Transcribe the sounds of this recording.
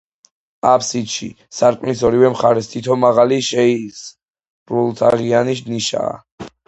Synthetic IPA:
apʰsid̪ʃḭ | saɾkʼmlisɔɾivɛmχaɾɛst̪ʰit̪ʰɔmaʁaliʃɛis | bɾulˠt̪ʰaʁianiʃ̬d̪niʃa̰ː

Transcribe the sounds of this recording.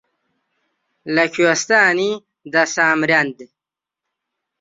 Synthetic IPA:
lɐkʰuɐst̪aːni | d̪ɐsaːmɾjand̪i

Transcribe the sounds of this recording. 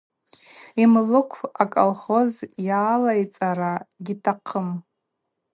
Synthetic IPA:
imlɨkʷʰakʼo̰lχo̞zjaːlajt͡sʼaɾaɡʲitʰaqʰəm

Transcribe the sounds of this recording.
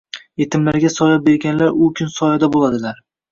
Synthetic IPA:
je̞t̪ʰɪmlaɾɡʲasɒlap̚be̞ɾɡʲanlaɾʊkʲʰʊnsɒjad̪abolad̪ɪlaɾ

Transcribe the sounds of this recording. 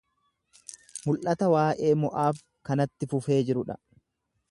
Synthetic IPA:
mʊlʔɐt̪ɐwaːʔe̞ːmɔʔaːf | kɐnɐt̪ːɪfʊfe̞ːd͡ʒɪɾʊᶑɐ̰

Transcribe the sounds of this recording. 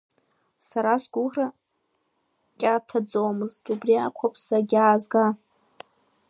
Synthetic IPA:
saɾazʷɡʷʊʁra | kʲʼatʰad͡zowmɨztʼubriakʷʰapʰʼsaɡʲaːzɡa

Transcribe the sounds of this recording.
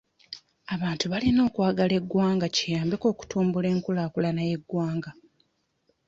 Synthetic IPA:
aβaːntuβalino̞ːkwaːɡale̞ɡːwaːŋɡacijaːmbeko̞ːku̥tuːmbule̞ːŋkulaːkulanaje̞ɡwaːŋɡa

